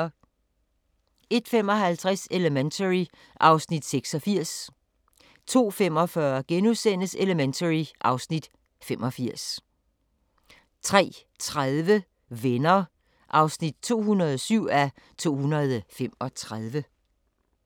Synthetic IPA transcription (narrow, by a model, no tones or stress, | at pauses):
e̝d̥fem̰ɒ̽ɦælt͡sʰʁɛseləment͡sʰəʁi | ʔɑ̈ʊsnid̥seɡ̥sɒ̽fiɐ̰s | t͡sʰo̝̰ːfem̰ɒ̽fɶɐɡ̥enuðsen̰əseləment͡sʰəʁiʔɑ̈ʊsnid̥ | femʔɒ̽fiɐ̰s | t͡sʰʁɛ̰ːt͡sʰʁaðˠʋə | ʋenɐ | ʔɑ̈ʊsnid̥̚t͡sʰo̝̰ːhunɐð̞ˠɒsyʊ̰æ | t͡sʰo̝̰ːhunɐð̩ˠfem̰ɒ̽t͡sʰʁaðˠʋə